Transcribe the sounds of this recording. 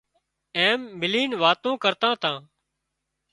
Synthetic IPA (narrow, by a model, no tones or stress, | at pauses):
eːmːɪliːnʋaːt̪õːkəɾt̪ãːt̪ãː